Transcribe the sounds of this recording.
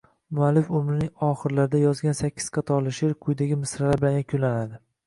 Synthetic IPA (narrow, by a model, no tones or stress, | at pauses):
mʊalːɪfʊmɾɪnɪŋɒχɨɾlaɾɪd̪ajɒzɡʲansakʲːɪ̥z̥qʰɑt̪ʰɒlˠɪʃɪɾqʰʊjd̪aɡʲɪmɪsɾalaɾbɪlanʲakʲʰʊlanad̪ɪ